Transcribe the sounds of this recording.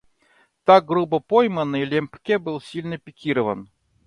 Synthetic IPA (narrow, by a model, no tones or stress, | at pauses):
t̪ak̚ɡɾubəpojmənɨjlʲempkʲebɨlˠsʲilʲnəpʲɪkʲiɾəvən